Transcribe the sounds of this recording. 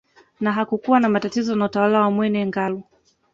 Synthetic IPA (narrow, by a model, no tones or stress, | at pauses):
naɦakukuwanamatatizɔnautawalawamwɛnɛŋɡalu